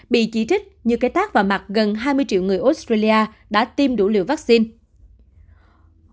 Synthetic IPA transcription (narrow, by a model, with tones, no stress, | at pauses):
ɓḭ˧˨t͡ɕi˧˩t͡ɕï˦˥k̟̚ɲɨ˧˨ka˧˦jt̪aː˦˥k̚vaː˨˩wma˨˩t̚ɣə˨˩nɦaː˧jmɨ˧əjt͡ɕḭ˧˨wŋɨ˨˩əjʔo˦˥t̚st̪ɾa˧li˧ʔaː˧ | ɗa̰ː˧˥t̪i˧mɗu˧˩˦lḭ˧˨əwvaː˦˥k̚si˧n